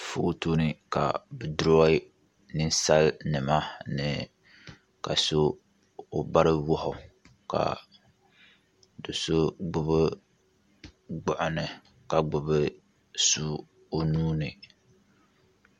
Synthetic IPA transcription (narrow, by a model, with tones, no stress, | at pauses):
foː˦toː˦nɨ˦ka̰˨bɨ˨dʊ˦ɾa˦ɪ˦ | nɨ˦n˦sa˦lnɨ˨ma˦nɨ˨ | ka̰˨so˦ | o˨ba˦ɾɨ˦wʊ˦hʊ˨ | ka̰˨ | dʊ˨so˦ɡ͡bʊ˦bɨ˦ | ɡ͡bʊ˨ʔʊ˨nɨ˨ | ka˨ɡ͡bʊ˨bɨ˦ | su˦ | o˦nuː˦nɨ˨